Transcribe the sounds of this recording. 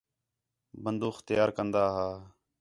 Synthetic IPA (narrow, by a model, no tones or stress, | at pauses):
bənd̪uːxt̪əjaːɾkənd̪aːɦaː